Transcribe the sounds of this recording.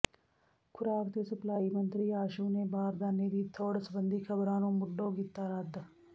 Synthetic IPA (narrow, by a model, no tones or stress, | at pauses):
kʰʊɾaːkt̪esʊplaːimə̃nt̪ɾiaːʃunebaːɾd̪aːned̪iːt̪ʰoːɽsəbə̃nd̪ʱikʰəbɾaːnõmʊɖːõɡɪt̪ːaːɾad̪